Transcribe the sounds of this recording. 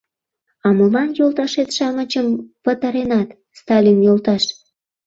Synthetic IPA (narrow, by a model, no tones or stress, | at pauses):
ɑməlɑnjolt̪ɑʃet̪ʃɑmət͡ɕəmpət̪ɑɾenɑt̪ | st̪ɑlʲinjolt̪ɑʃ